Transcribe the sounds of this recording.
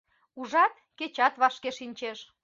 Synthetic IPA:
uʒɑt̪ | ket͡ɕɑt̪βɑʃkeʃinʲt͡ɕeʃ

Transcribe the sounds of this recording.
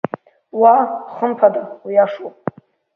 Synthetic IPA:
waχəmpʰadajaʂopʼ

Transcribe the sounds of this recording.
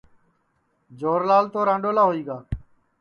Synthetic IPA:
d͡ʒoːɾlaːlt̪oːɾãːɳɖoːlaːɦoːiːɡaː

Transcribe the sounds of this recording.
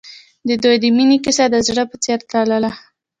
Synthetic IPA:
d̪əd̪ujd̪əminikisad̪əzɽəpət͡seɾt̪aləla

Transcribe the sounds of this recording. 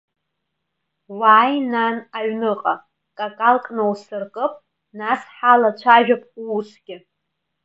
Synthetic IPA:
waːjnanaɥnɨqʼa | kʼakʼalkʼnowsɨrkʼɨpʼ | nasħalat͡ʃʷʰaʒᶣapʼusɡʲɪ

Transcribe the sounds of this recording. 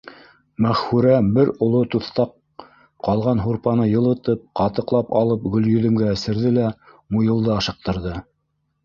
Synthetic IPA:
mæχhʉɾæbɘɾŏlˠot̪uθt̪ɑq | qɑlˠʁɑnɦuɾpɑnɤjɤ̆lˠɤ̆t̪ɤp̚qɑt̪ɤ̆qlˠɑpɑlˠɤpɡɵ̆ljɵ̆ðɘ̆mɡæ̆ːsɘ̆ɾðɘlæ | mujɤ̆lˠd̪ɤɑʃɤ̆q̚t̪ɤ̆ɾðɤ

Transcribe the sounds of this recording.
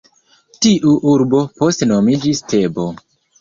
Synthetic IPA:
tiʔuʔuɾbo̞po̞steno̞mid͡ʒistʰe̞bo̞

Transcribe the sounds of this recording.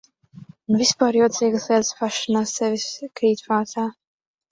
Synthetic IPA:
nvispaːɾjɔt̪zʲiːɡaslʲˠiɛd̪sfaʃinasɛvʲiskɾiːt̪faːt̪aː

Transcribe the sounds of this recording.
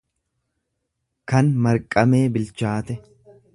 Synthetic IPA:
kɐnmɐɾkʼɐme̞ːbɪlt͡ʃaːt̪ɛ

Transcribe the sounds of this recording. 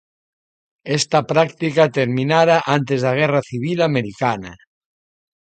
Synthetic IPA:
est̪apɾakt̪ikat̪eɾminaɾaʔant̪ezðaɣ̞ɛraθiβ̞ilameɾikana̰

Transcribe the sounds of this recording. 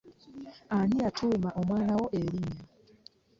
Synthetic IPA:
aniatʰuːmaʔo̞mwaːnawo̞ʔeɾina

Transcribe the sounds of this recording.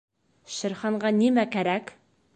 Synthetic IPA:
ɕɘ̆ɾχɑɴɢɑnimækæɾæk

